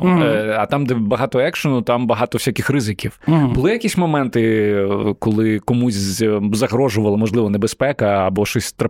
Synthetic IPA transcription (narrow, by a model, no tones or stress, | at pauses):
ɐt̪ɑmd̪ɛbɐɦɑt̪ɔɛkʃɔnʊt̪ɑmbɐɦɑt̪ɔwsʲakʲɪxrɪzɪkʲiwbʊlˠɪjɐkʲisʲmɔmɛnt̪ɪ | kɔlˠɪkɔmusʲzɐɦɾɔʒʊʋɐlˠɐmɔʒlˠɪʋɔnebespɛkɐːbɔʃɔsʲt̪ɾɐ